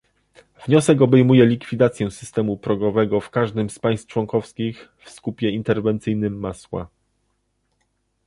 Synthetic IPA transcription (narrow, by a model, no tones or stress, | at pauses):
vɲɔsɛk̬ɔbɛjmujɛlʲikfʲid̪at̪sʲjɛ̃sɘst̪ɛmupɾɔɡɔvɛɡɔfkaʐd̪ɘmspaj̃st̪t͡ʂwɔŋkɔfskʲixfskupʲjɛint̪ɛɾvɛnt̪sɘjnɘmːaswa̰